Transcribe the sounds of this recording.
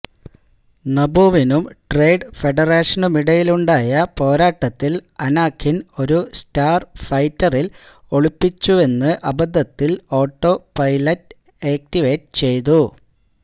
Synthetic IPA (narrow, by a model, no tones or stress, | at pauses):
nɐbuːʋinumʈre̞jɖfe̞ɖɐreːʂɐnumiɽɐjiluɳɖaːjɐpo̞ːɾaːʈːɐt̪ːilɐnaːkʰːino̞ɾustaːrfɐjtːɐril | o̞ɭupːit͡ɕːue̞nːɨʔɐbɐd̪ʱːɐt̪ːilo̞ːʈːo̞pɐjlɐtː | eːk̚tiʋe̞ːtːt͡ɕe̞jt̪̬u